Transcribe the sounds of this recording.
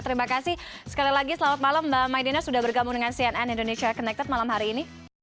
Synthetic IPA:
t̪əɾimakasɪhsə̥kalilaɡisəlawat̪̚malaməmajdinasudahbərɡambuŋdəŋansiɛnɛnindoneʃiakɔnɛk̚t̪ɛt̪̚malamɦaɾiːni

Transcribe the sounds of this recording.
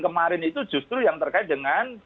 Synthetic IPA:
kəmaɾɪnit̪ud̥ʒ̥ṳst̪ɾujaŋt̪ərkaɪt̪̚dəŋan

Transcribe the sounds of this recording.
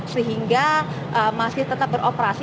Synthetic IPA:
səɦiŋɡa | ʔəmasɪht̪ət̪ap̚bəɾʔopəɾasi

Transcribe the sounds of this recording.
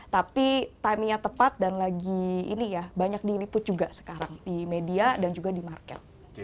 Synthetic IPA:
t̪apit̪amɲat̪əpat̪̚danlaɡiḭnijabaɲak̚dilipʊt̪̚d͡ʒuɡasə̥kaɾaŋdimediadand͡ʒuɡadimarkɛ̰t̪̚

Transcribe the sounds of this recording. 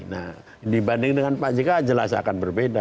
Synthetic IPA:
na̰h | dibandɪŋdəŋanpaʔd͡ʒikad͡ʒəlasa̰kanbərbeda

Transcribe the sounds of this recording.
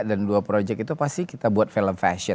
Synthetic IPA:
danduapɾod͡ʒɛk̚it̪upast̪ikit̪abuat̪̚feləmfɛ̰ʃɔ

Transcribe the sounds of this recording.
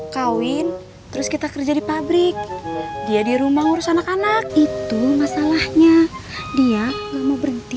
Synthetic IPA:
kawɪn | t̪əɾʊskit̪akərd͡ʒadipabɾɪk̚diadiɾumahŋuɾʊsanakanak̚it̪umasalahɲadiaŋamabəɾənt̪i

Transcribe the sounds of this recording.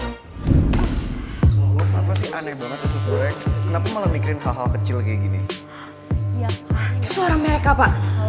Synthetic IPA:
ɔapasɪhanak̚baŋət̪sasusbaɛkənapamalamikiɾɪnɦaɦalkət͡ʃɪlkaaɡini | it̪usəoɾaŋməɾekapaʔ

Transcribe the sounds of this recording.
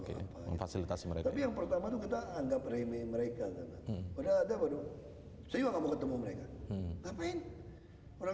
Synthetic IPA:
ka̰pa̰fasilit̪asiməɾḛkt̪apijaŋpərt̪amat̪ukit̪aːŋɡaprememəɾekakanaadaːdabadu | sajuaŋamukət̪əmuməɾekaŋapaɪn | oɾa

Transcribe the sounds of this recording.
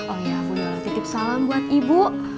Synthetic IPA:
ʔojakunalat̪ikɪp̚salambuat̪ibu

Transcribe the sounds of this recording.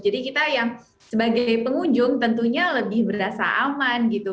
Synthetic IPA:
d͡ʒadikit̪ajaŋ | səbaɡajpəŋuɲd͡ʒʊŋt̪ənt̪uɲaləbɪhbəɾasa̰ʔamanɡit̪u

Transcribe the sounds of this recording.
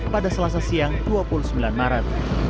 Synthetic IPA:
padasəlas̬asiaŋt̪uapulusəmbilanmaɾat̪̚

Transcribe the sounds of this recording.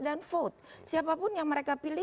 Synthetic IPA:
danfot̪̚siapapʊnjaŋməɾekapilɪ

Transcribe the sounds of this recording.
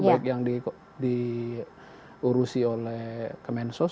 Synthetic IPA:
akjaŋdi | di | uɾusiolɛhkəmɛnsɔ

